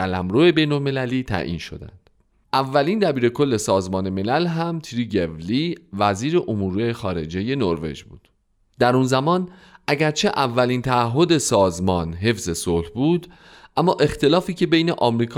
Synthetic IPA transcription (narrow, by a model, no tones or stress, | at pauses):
ælæmɾoe̞bejno̞lme̞læliːt̪ʰæ̰ʔḭːnʃo̞̰d̪æ̰nd̪̥ | ʔævːæliːnd̪æbiːɾe̞kʰo̞lːe̞sɒːzmɒːne̞me̞lælɦæmt̪ʰiɾiɡevlivæziːɾe̞ʔomuːɾiexɒːɾe̞̰d͡ʒe̞je̞noɾve̞̰d͡ʒbṵːd̪̥ | d̪̥æɾunzæmɒːn | ʔæɟæɾt͡ʃʰe̞ʔævːælint̪ʰæːɦːo̞d̪e̞sɒːzmɒːnɦe̞fz̥e̞solhbuːd̪ | ʔæmːɒːʔe̞xt̪e̞lɒːfiːcʰe̞be̞jne̞ʔɒːmɾiːkʰ